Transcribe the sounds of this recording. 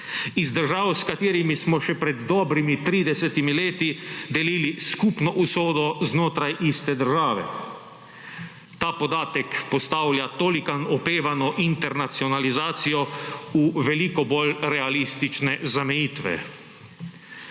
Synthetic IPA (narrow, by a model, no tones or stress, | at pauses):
izd̪əɾʒaːwskat̪eːɾimismɔʃɛpɾɛd̪ːɔːbɾimit̪ɾiːd̪ɛsɛt̪imileːt̪id̪ɛliːliskupnɔʔusoːd̪ɔznoːt̪ɾajʔist̪ɛd̪əɾʒaːʋɛ̰ | t̪aːpɔd̪aːt̪ɛkpɔst̪aːwljat̪oːlikanɔpeːʋanɔʔint̪ɛɾnat̪siɔnalizaːt̪sijɔuʋɛlikɔbolɾɛalist̪it͡ʃnɛzamɛjiːt̪ʋɛ̰